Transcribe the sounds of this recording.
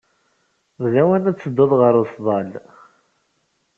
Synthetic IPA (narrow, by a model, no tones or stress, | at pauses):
vlæwænæt͡sːəd̪ːoðˤʁəɾʊsðˤɑl